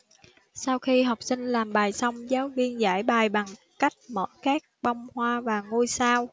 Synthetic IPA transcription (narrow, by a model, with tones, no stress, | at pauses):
saː˧wxi˧ɦa˨˩wk͡p̚sï˧ŋ̟laː˨˩mɓaː˨˩jsə˧wŋ͡mzaː˨˦wvi˧ənza̰ː˧˩jɓaː˨˩jɓa˨˩ŋ | ka˦˥jk̟̚mə̰ː˧˥jkaː˦˥k̚ɓa˧wŋ͡mhwaː˧vaː˨˩ŋu˧jsaː˧w